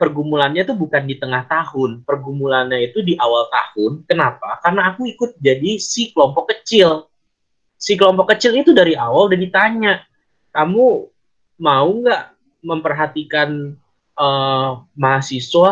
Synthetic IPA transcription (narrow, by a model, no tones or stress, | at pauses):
pərɡumulanɲat̪ubukandit̪əŋaht̪aɦʊnpərɡumulanɲait̪udiʔawalt̪a̰hʊnkənapakarnaːkuikʊt̪̚d͡ʒadisikəlɔmpɔkːət͡ʃɪl | sikəlɔmpɔkːət͡ʃɪlit̪udaɾiawaldadit̪aɲaʔ | kamu | mauŋɡaʔ | məmpərɦat̪ikan | ʔəmaɦasiswa